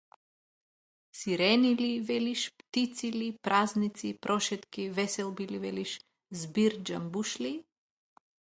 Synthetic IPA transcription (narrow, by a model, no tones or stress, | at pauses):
siɾɛnilivɛliʃpt̪it̪silipɾʔaznit̪sipɾʔɔʃɛt̪kivɛsɛlˠbilivɛliʃ | zbiɾd͡ʒambuʃli